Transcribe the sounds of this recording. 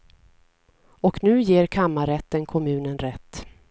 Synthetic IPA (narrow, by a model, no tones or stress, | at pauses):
ɔknʉ̟ːjeːɾkʰamːaɾɛt̪ːənkʰɔmʉ̟ːnənɾɛt̪ː